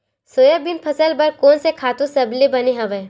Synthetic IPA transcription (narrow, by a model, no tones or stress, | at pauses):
soːjəbɪnpʰɐsəlbɐɾkoːnsekʰaːt̪ũsɐblebɐniɦɐʋeː